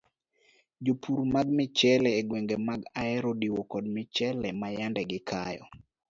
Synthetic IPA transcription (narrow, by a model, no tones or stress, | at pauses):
d͡ʒopʰuɾmaɡmɪt͡ʃɛlɛːɡweŋɡemaɡaɛɾodiwɔkɔdmɪt͡ʃɛlɛmajandɛɡɪkʰajɔ̰